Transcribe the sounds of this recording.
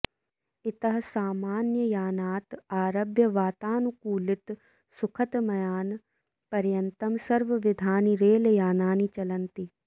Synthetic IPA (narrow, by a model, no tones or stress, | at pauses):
ɪt̪ɐɦɐsaːmaːnjəjaːnaːt̪aːɾɐbjɐʋaːt̪aːnukuːlɪt̪ | sʊkʰɐt̪mɐjaːn | pɐɾjɐnt̪ɐmsɐɾʋɐʋɪd̪ʱaːniɾeːljaːnaːnit͡ʃɐlɐnt̪i